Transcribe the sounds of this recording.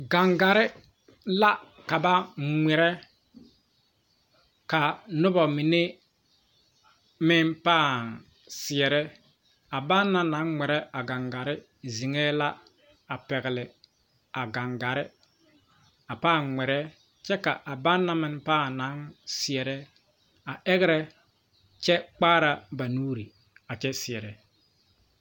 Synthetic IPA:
ɡa˨ŋɡa˨ɾɪ˦ | la˦ | ka˨ba˦ŋɛ˨ɾɛ˦ | ka˨nʊ˦bɔ˨mi˨ne˦ | mɪ˦npaː˦˨n | sɪ˨ɛ˨ɾɛ˦ | a˨ba˦nːa˦na˨˦ŋŋɛ˨ɾɛ˦ʔa˨ɡa˨ŋɡa˨ɾɪ˦ | zi˨ŋɛ˦la˦ | a˨pɛ˨ɣɪ˨lɪ˨ | a˨ɡa˨ŋɡa˨ɾɪ˦ | a˨paː˦˨ŋŋɛ˨ɾɛ˦ | t͡ʃɛ˦ka̰˨ʔa˨ba˦nːa˦mɪ˨npaː˦˨na˨˦nsɪ˨ɛ˨ɾɛ˦ | a˨ʔɛ˦ɣɪ˦ɾɛ˦ | t͡ʃɛ˦k͡paː˦ɾa˨ba˨nuː˦ɾḭ˨ | a˨t͡ʃɛ˦sɪ˨ɛ˨ɾɛ˨

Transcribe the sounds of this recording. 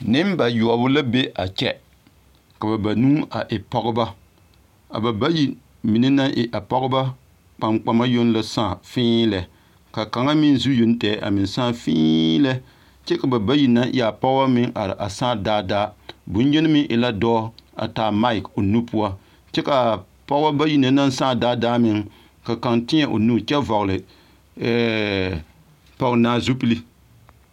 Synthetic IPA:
nɪ˦mba˨ju˨bʊ˦la˦be˦ʔa˨t͡ʃɛ̰˦ | ka˨ba˨ba˨nũː˦a˨ʔɪ˨pɔ˦ɡʊ˦ba˦ | a̰˨ba˨ba˦ji˦ | mi˨ni˦na˦nʔɪ˨ʔa˨pɔ˦ɡʊ˦ba˦ | k͡pa˨mk͡pa˦ma˦jo˦n˦la˦saː˦˨fɪ̃ː˦lɛ˨ | ka˨ka˨ŋa˦mɪ˦n˦zu˦jo˦n˦tɛː˨˦ʔa̰˨mɪ˨n˨sãː˦˨fḭː˦lɛ˦ | t͡ʃɛ˦ka˨ba˨ba˦ji˨na˦nʔi˦a˨pɔ˦ɣwa˦mɪ˦ŋʔa˨ɾɪ̰˨ʔa˨saː˦˨daː˦daː˦bʊ˨˦n˦ɲɛ˦nɨ˦mɪ˦ʔɪ˨la˦dɔː˦a̰˨taː˨ma˦ɪ˨ko˨nu˦pu˦a˦ | t͡ʃɛ˦ka˨ | pɔ˦a˦ba˦ji˦na˦na˦n˦saː˦˨daː˦daː˦mɪ˨ŋ | ka˨ka˨ŋtɪ˦ɲa˨ʔo̰˨nuː˦t͡ʃɛ˦vɔ˨ɣlɨ˨ | ɛ˦ | pɔ˦ɣnaː˦zu˦pɨ˦li˦

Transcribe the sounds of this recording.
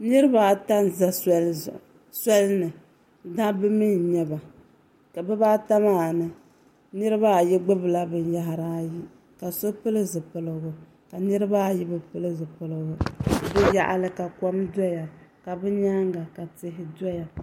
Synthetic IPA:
nɨ˦ɾɨ˦ba˦˨ta˦n˨za˦sɛ˦lʊ̰˨ | sɛ˦lnɨ˨ | da˦bɨ˦mi˦nɲɛ˦ba˨ | ka˨bɨ˦baː˦ta˦maː˦˨nɨ˨ | nɨ˦ɾɨ˦ba˦˨jɛ˦ɡ͡bɨ˦bɨ˨la˦bɨ˨n˦ja˦ɦa˨ɾaː˦ji˦ | ka˨so˦pɨ˦lɨ˦zɨ˨pɨ˨lɨ˨ɡʊ˨ | ka˨nɨ˦ɾɨ˦ba˦˨jɛ˦bɨ˦pɨ˦lɨ˦zɨ˨pɨ˨lɨ˨ɡʊ˨bɨ˦ja̰˦˨ʔa̰˨lɨ˦ka˨kɔ˦mdɔ˦ja˨ka˨bɨ˦ɲa˦ŋɡa˨ka˨tɪ˦ɦɪ˦dɔ˦ja˨

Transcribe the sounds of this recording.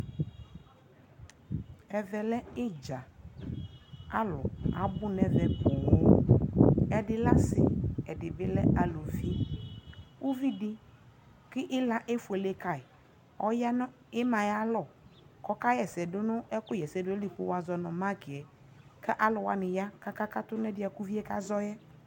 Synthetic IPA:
ɛ˨vɛ˨lɛ˦ɪ˦d͡ʒa˨ | a˦lʊ̰˨a̰˨bʊ˦nɛ̃˨vɛ˨pʊ˨wo˦ | ɛ˨dɪ˦la˦sɪ̰˨ɛ˨dɪ˨bɪ˦lɛ˦ʔa˨lo˨vi˦ | wu˦vi˦dɪ˦ | kɪ˦ʔɪ˦la˦ʔe˦fʊ˨ɛ˨le˦ka˨ɪ˨ | ɔ˦ja˦n˦ | ɪ˦mã˨ja˦lɔ˨kɔ˦ka˦jɛ˨sɛ˨dʊ˦nʊ˦ɛ˦kʊ˦jɛ˨sɛ˨dʊ˦ɛ˦lɪ˨k͡pʊ˦wa˨zɔ˨nɔ˨ma˦kɪ˨ɛ˨ | kɛ˦ʔa˦lʊ˨wa̰˨nɪ˨ja˦ka˦ka˦ka˦t̪ʊ˦nɛ˦dɪ˦a˨ku˦vi˦ɛ˦ka˦zɔ˦jɛ˦

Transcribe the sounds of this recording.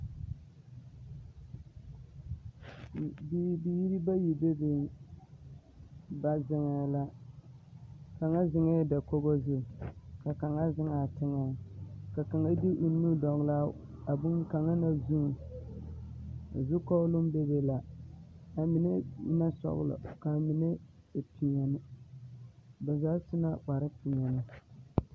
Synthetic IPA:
bbi˦ji˦ɾi˦ba˦ji˨be˦bɪ˦n | ba˨zɪ˨ŋa˨la˦ | ka˨ŋa˦zɪ˨ŋa˦da˨ko˦bo˦zʊ˦˨ka˨ka˨ŋa˦zɪ˦ŋa˨tɪ˦ŋa˨ka˨ka˨ŋa˦di˦ʔu˨n˦nu˦dɔ˨ŋ˨la˦ | a˨bʊ˦ŋ˦ka˨ŋa˦na˦zu˦ŋ˨ | a̰˨zu˦kɔ˦lʊ˦m˦be˦be˦la˨ | a˨mi˨ne˦na˦sɔ̰˦ɣʊ̰˦lɔ̰˨ka˨mi˨ne˦˨tʰi˨ɲa˨nɨ˦ | ba˨zaː˦sʊ˦na˦k͡pa˨ɾɪ˦ti˨ɲa˨nɪ˨

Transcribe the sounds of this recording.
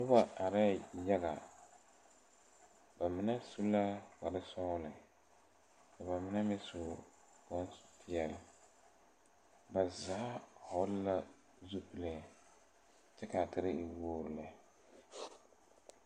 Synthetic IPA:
ʊ˦ba˨a˨ɾa˦˨ja˦ɡa̰˨ | ba˨mɨ˨na˦su˦la˦wa˨lɨ˦sɔ˦lɨ˨ | ka˨ba˨mɪ˨na˦mɛ˦su˨ | kɔ˦n˦su̥˨tʰɪ˦ɛ˦˨l | ba˨za˨˦hɔ˨˦lla˦ | zu˦pɨ˦le˨ | t͡ʃɛ˦ka˨tɨ˦ɾɪ˦ɪ˨woː˦ɾɨ˨la˨

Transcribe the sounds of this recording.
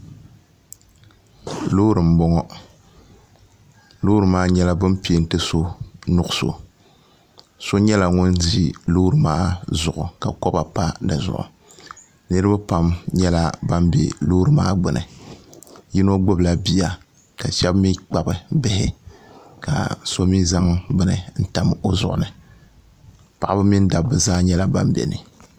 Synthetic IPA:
lo˦ɾɨ˨m̩˨˦bɔ˦ŋɔ˦ | lo˦ɾɨ˨maː˦ɲɛ˦la˦bɨ˦mpi˨e˨n̩˦tɨ˦so˦nʊ˦ʊ˦so̰˨ | so˦ɲɛ˦la˨ŋʊ˦nzi˦lo˦ɾɨ˨maː˦zʊ˨ʔʊ˨ka˨kɔ˦ba˨pa˦dɨ˨zʊ̰˨ʔʊ̰˨ | nɨ˦ɾɨ˦ba˦pa˦mɲɛ˦la˦ba˦mbḛ˨lo˦ɾɨ˨ma̰ː˦ɡ͡bɨ˨nɨ̰˨ | ji˦no˦ɡ͡bʊ˦bla˨bi˦ja˨ | ka˨ʃɛ˦bmi˦k͡pa˨bɨ˨bɪ˦hɪ˦ | ka̰˨so˦mi˦za˦ŋɡ͡bɨ˦nɨ˨n̩˦ta˦mo˦zʊ̰˨ʔʊ̰˨nɨ˨ | pa˨ʔa˦bɨ˦mi˦n˦da˨bːɨ˨zaː˦ɲɛ˦la˨ba˦mbɛ̰˨nɨ˨

